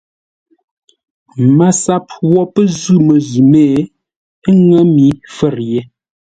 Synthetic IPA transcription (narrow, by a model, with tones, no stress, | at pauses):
ma˨sa˦p̚wɔ˦pə˦zu˦˨mə˨zu˨mɛ˦˨˦ | ŋə˦mi˨˦fɛ˦˨ɾje˦